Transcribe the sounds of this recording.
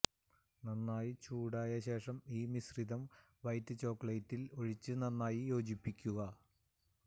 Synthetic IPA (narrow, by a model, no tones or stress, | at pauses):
nɐnːaːjit͡ɕuːɽaːjɐɕe̞ːʂɐmiːmisrid̪ɐm | ʋɐjt̪ːɨt͡ɕo̞ːkːɐɭɐjtːilo̞ɻit͡ɕːɨnɐnːaːjijo̞ːd͡ʑipːikʲːuɣɐ